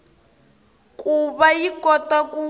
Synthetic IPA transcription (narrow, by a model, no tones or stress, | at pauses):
kʼuβajikɔtaku